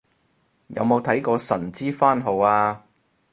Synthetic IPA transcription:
jɐ̰˨˧wmo˨˧wt̪ʰɐ˨˥jkɔː˧sɐ˨˩nt͡siː˥faː˥nɦo˨waː˧

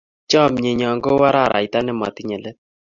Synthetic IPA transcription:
t͡ʃɔ˦˨m˨ɲe˨ɲɔ˨ŋɡo˦wa˦ɾa˦˨ɾa̰˨i˨ta˦nɛ˦ma̰˨ti˦ɲɛ˨lɛ˦t̚

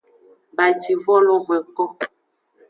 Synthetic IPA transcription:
ba˨d͡ʒi˨vɔ˦lɔ˦mɛ˨kɔ˦

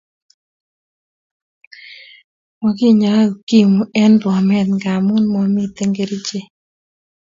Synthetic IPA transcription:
mɔ˨ki˦ɲa˨˦˨ki˦mu˨ɛ˦ndwɔ˨mɛ˦˨t̪ŋɡa˨mʊ˦nmɔ˨mi˦t̪e˦ŋɡe˨ɾi˦t͡ʃe˦˨

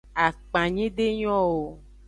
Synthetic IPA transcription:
a˨k͡pã˨ɲĩ˦ɖe˦ɲɔ̃˦wo˨

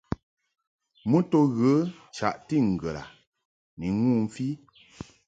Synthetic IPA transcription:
mu˦to˦ɣə˨˦t͡ʃa̰˨ʔti˦˨ŋ̩˨ɡə˨la̰˨ | ni˨˦ŋuː˦˨m̩˦fi˦

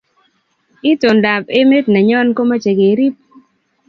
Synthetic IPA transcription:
ɪ˦to˨nda˨pe˦me˦tna˨ɲɔ˦nko˦ma˦t͡ʃe˨ɡe˨˦ɾi˦p̚

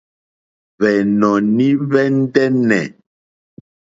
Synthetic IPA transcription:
βɛ˨nɔ˨ni˦βɛ˦n̩˦dɛ˦nɛ˨

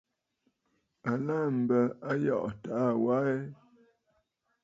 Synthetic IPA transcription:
a˨la˦m̩˨bə˨a˦jɔ̰˦˨ʔta˨˦˨wa˦e˦

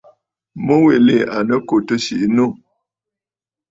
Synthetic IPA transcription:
mə˦we˨le˦˨a˨nə˦ko˨tə˦ʃi˨ʔnu˦˨

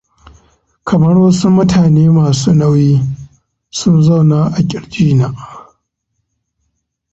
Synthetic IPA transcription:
kʰɐ˨mɐ˦ɽwɐ˦su˦mʊ˦tʰaː˨neː˦maː˨suː˦na˦wjiː˦ | sʊ˦nza˦˨wnaː˦ʔa˨kʲʼɪ˨ɽd͡ʒiː˦naː˦ʔ

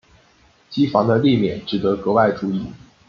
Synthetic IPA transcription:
t͡ɕi˥fɑ˧˥ŋd̪ə˧li˥˧mjɛ̰˨˩nʈ͡ʂɻ̩˨˩t̪ə˧˥kɤ˧˥wa˥˩ɪʈ͡ʂu˧˥i˨˩˦

